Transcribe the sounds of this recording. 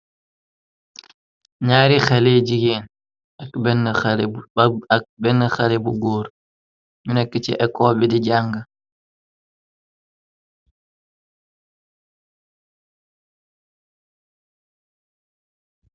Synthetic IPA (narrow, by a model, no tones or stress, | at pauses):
ɲaːɾixaled͡ʒiɡɛn | akbɛnl̚ | bɛnːaxalɛbuɡoːɾ | ɲunɛkːit͡ʃɛ̰ʔɛkɔːbɛdid͡ʒaŋɡa